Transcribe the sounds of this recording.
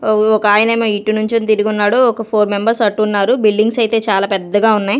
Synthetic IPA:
ɔkɐaːjinɐmiʈːinuɲt͡ʃemt̪iɾuɡunːaːɽoɔkɐpʰoːɾmembɐɾsɐʈːunːaːɾubilɖiŋɡsɐjt̪e̞ːt͡ʃaːlaːpɛd̪ːɐɡaːunːaːj

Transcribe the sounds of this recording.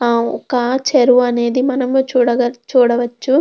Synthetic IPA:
ɔkɐt͡ʃeɾuɐne̞ːd̪imɐnɐmt͡ʃuːɽɐɡɐt͡ʃuːɽɐʋɐt͡ʃːu

